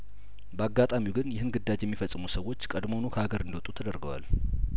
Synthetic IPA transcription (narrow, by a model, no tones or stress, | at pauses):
bəaɡːat̪ʼamiwɡɨnjɪhɨnɡɨd̪ːad͡ʒjɛmːifəsʼːɨmusəwo̞t͡ʃːkʼəd̪mo̞nokʰəaɡəɾɨnd̪əwɔt̪ʼut̪ʰəd̪əɾɡəwa̰l